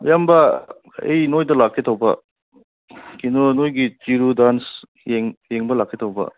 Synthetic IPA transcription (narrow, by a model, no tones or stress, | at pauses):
jambɐ | ḛjnojdɐlakʰːitʰawbɐ̰ | kinɔnojɡit͡ʃiɾudans | jeŋjeŋbɐlakʰːetʰawbɐ̰